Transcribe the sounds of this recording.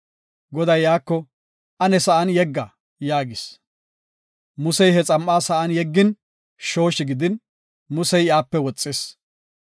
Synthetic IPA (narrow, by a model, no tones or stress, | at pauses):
ɡɔd̪ɐjːaːkːɔ | ʔɐnɛsɐʔɐnjɛɡːɐ | jaːɡɪs | mʊsɛjhɛt͡sʼɐmʔaːsɐʔɐnjɛɡːɪn | ʃo̞ːʃɪɡɪd̪ɪn | mʊsɛjɪaːpːɛwɔt͡sʼːeːs